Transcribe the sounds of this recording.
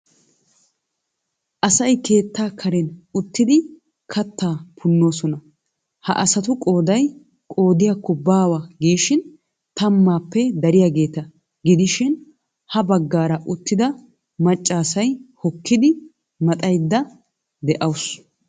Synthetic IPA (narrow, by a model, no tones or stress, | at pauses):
ʔɐsɐjkʰe̞ːt̪ːaːkʰɐɾɛnʊt̪ːɪd̪ɪ | kʰɐt̪ːaːpʰʊnːo̞ːsɔnɐ | hɐ̰ʔɐsɐt̪ʊkʼo̞ːd̪ɐj | kʼo̞ːd̪ɪjakːɔbaːwɐɡiːʃɪn | t̪ɐmːaːpːɛd̪ɐɾɪjaːɡe̞ːt̪ɐ | ɡɪd̪ɪʃɪn | hɐbɐɡːaːɾɐʔʊt̪ːɪd̪ɐ | mɐt͡ʃʼːaːsɐjhɔkːɪd̪ɪ | mɐt̪ʼɐjd̪ːɐ | d̪ɛʔɐws